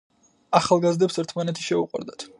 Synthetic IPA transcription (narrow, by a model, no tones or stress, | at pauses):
aχalˠɡazd̪ɛpsɛɾt̪ʰmanɛt̪ʰi̥ʃɛuqʼwa̰ɾd̪at̪ʰ